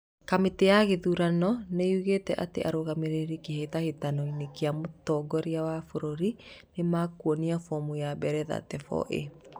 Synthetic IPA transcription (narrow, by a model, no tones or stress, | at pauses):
kametejaɣeðuɾanɔnejuɣetɛʔatḛʔa̰ɾoɣameɾeɾikehetahetanoinekeamotɔɡɔɾiawafoɾoɾinemakuoniafɔmujabɛɾɛða̰tɛfɔ̰ʔḛ